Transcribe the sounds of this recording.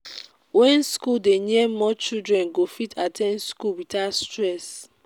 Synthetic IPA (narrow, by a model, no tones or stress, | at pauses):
wɛ̃nskuldeniɛmɔt͡ʃidɹɛ̃nɡofitʰatʰɛ̃nskulwitastɹɛs